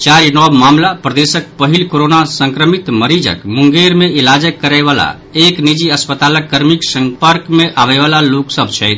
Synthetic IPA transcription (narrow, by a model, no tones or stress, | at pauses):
t͡ʃaɾinɔbmamlapɾəd̪esək̚pəɦilkoɾonasəŋkɾəmit̪məɾid͡ʒə̰kmuŋɡeɾmeilad͡ʒəkːəɾaɪβala̰ | eknid͡ʒiəspət̪aləkːəɾmiksəŋpəɾkmeʔaβɛɪβalaloksəbʱt͡ʃʰɛjt̪ʰ